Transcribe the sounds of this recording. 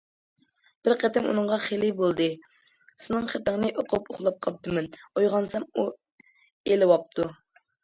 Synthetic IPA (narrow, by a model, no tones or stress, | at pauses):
b̥ɪɾqʰet̪ɪmṵnɨŋʁɑχelibolˠd̪ɨ | sɪnɨŋχet̪əŋnɨʔoqʰʊpoχlˠɑp̚qʰɑp̚t̪ɨmɛnojʁɑnsɛmu | elɪwɑp̚t̪ʰu